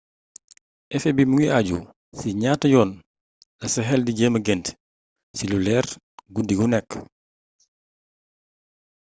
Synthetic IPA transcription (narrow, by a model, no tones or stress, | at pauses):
ʔɛfɛbimuŋiaɟṵ | siɲaːtːɐjɔːn | lɐsɐɦɛldiɟɛːmɐɡɛnt | silulɛːr | ɡudiɡunɛkː